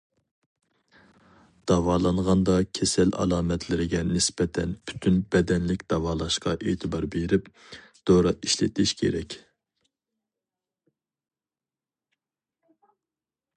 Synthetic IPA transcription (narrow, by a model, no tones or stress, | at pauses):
d̪̥ɑwɑːlˠɑɴʁɑnd̪ɑkʲʰɛsɛlɑ̰lˠɑːmɛt̪ʰlɪɾɪɡʲɛnɪsbɛt̪ʰɛnpʰy̥t̪ʰynbɛd̪ɛnlɪkʲd̪̥ɑwɑːlˠɑʃqɑʔeːt̪ʰɨbɑɾbeɾɪp | d̪̥oɾɑiʃlɪt̪ʰɪʃkʲʰḛɾɛkʲ